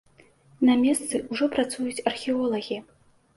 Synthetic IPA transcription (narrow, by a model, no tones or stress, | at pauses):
nɐmʲɛst̪sɨuʐɔpɾat̪sujut͡sʲɐrxʲɛɔlˠɐɣʲi